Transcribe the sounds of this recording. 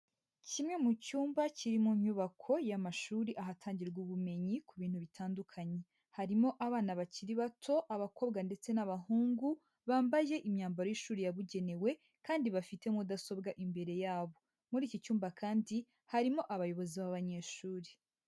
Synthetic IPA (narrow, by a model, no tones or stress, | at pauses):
cimŋe̞mucuːmbaciɾimuɲɲuβakʰo̞jamaʃuːɾiʔaɦatʰaːɲɟiɾɡuβume̞ɲikuβiːnhuβitʰaːndukʰaɲe̞ | haɾimo̞ʔaβaːnaβaciɾiβatʰo̞ʔaβako̞ːbɡande̞t͡se̞naβaɦuːŋɡu | βaːmbaje̞ʔimɲaːmbaɾojiʃuːɾijaβuɟe̞ne̞we̞ | kaːndiβafite̞mudaso̞bɡaʔimbe̞ɾe̞jaːβo̞ | muɾiːcicuːmbakʰaːndi | haɾimo̞ʔaβajo̞βo̞ziβaβaɲe̞ːʃuːɾe